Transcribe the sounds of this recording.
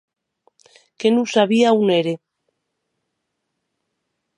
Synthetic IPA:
kenusaβiauneɾe

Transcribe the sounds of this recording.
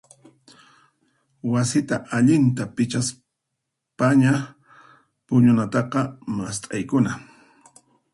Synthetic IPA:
wasɪt̪aʔaʎɪnt̪apɪt͡ʃas | paɲa | pʊɲʊnat̪ɑqɑmast̪ʼajkʊna

